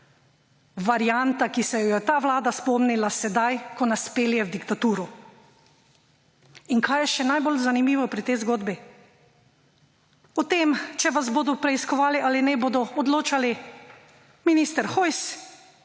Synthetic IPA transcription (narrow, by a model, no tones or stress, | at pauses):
ʋaɾjant̪akisɛjɔjɛt̪aːʋlaːd̪aspɔmnilasɛd̪ajkɔnaspeːljɛwd̪ikt̪at̪uːɾɔ | iŋkʰaːjɛʃɛnajbolzanimiːʋɔpɾit̪ɛjzɡoːd̪bi | ɔt̪emt͡ʃɛʋazboːd̪ɔpɾɛiskɔʋaːliʔalinɛboːd̪ɔɔd̪loːt͡ʃali | miniːst̪ɛɾxɔjs